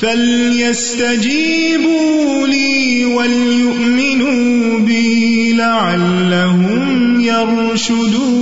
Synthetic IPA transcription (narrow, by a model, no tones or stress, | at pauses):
fal | jast̪ad͡ʒiː | bu | liː | wal | jʊʔmɪnuː | bɪ | laʕalːaɦʊm | jɑɾ | ʃʊd̪uː